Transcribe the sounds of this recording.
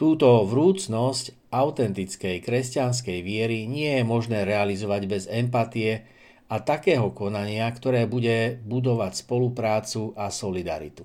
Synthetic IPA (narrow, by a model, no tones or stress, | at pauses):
t̪uːt̪ɔʋɾuːt͡snɔsc | aʊt̪ɛnt̪it͡skɛjkɾɛscans̬kɛjʋɪɛɾiɲɪɛjɛmɔʒnɛːɾɛalizɔʋaɟbɛzɛmpat̪ijɛ | at̪akɛːɦɔkɔnaɲɪakt̪ɔɾɛːbuɟɛbud̪ɔʋacspɔlupɾaːt͡suʔasɔlid̪a̰ɾḭt̪u̥